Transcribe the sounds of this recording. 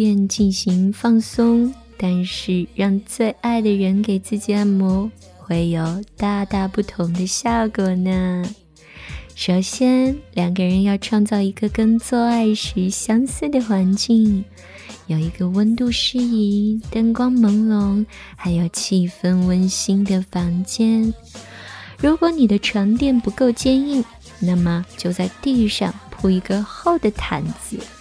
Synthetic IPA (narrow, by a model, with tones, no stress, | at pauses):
pjɛ˥˧nt͡ɕi˥˩nɕi˧˥ŋfɑ˥˧ŋsʊ˥ŋ | t̪a˥˧nʂɻ̩˥˧ɻɑ˥˧ŋt͡swe˥˧ɪʔa˥˩ɪd̪ə˩ɻə˧˥nke˨˩ɪt͡sɹ̩˥˩t͡ɕi˨˩a˥˩nmɔ˧˥ | xwe˥˩ɪjo˨˩ʊt̪a˥˧t̪a˥˧pu˥˩t̪ʰʊ˧˥ŋd̪ə˧ɕjɑ˥˩kwɔ˨˩nə˦ | ʂo˨˩ʊɕjɛ˥nljɑ˨˩ŋɡə˧ɻə˧˥njɑ˥˧ʊʈ͡ʂʰwɑ˥˧ŋt͡sɑ˥˩ʊi˧˥ɡə˧kə˥nt͡swɔ˥˧a˥˩ɪɕy˧˥ɕjɑ˥ŋsɹ̩˥˩d̪ə˩xwa˧˥nt͡ɕi˥˩ŋ | jo˨˩ʊi˧˥ɡə˧wə˥nt̪u˥˧ʂɻ̩˥i˧˥t̪ə˥ŋkwɑ˥ŋmɤ˧˥ŋlʊ˧˥ŋ | xa˧˥ɪjo˥˧ʊt͡ɕʰi˥˩fə˥˧nwə˥nɕi˥ŋd̪ə˨fɑ˧˥ŋt͡ɕjɛ˥n | ɻu˧˥kwɔ˧˥ni˨˩d̪ə˦ʈ͡ʂʰwa˧˥nt̪jɛ˥˩npu˧˥ko˥˧ʊt͡ɕjɛ˥˧ni˥˩ | na˥˩mə˩t͡ɕjo˥˧ʊt͡sa˥˧ɪt̪i˥˧y˥˧ʂɑ̰˥˧ŋpʰu˥˩i˧˥ɡə˧xo˥˩ʊd̪ə˨t̪ʰa˨˥nt͡sɹ̩˧˩˦